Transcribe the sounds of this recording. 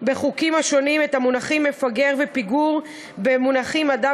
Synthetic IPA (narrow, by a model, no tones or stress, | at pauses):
be̞χukimaʃonimethamunaχimːefaɡe̞ʁvepiɡuʁ | bemunaχimada